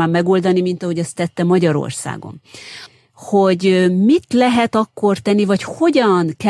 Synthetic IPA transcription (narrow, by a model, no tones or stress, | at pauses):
aːmːɛɡo̞ld̪ɒnimint̪ɒho̞ɟɒst̪ːɛt̪ːɛmɒɟɒɾo̰rsa̰ːɡo̰n | ho̞ɟmit̪lɛɦɛt̪ɒkːo̞rt̪ɛnːivɒcho̞ɟɒnkɛ